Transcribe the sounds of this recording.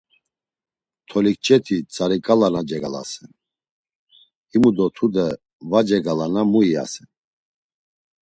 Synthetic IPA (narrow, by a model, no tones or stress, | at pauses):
t̪ʰɔlik̚t͡ʃʼɛt̪ʰit͡sʼaɾikʼalanad͡ʒɛɡala̰sɛn | imud̪ɔt̪ʰud̪ɛ | vad͡ʒɛɡalanamuia̰sɛn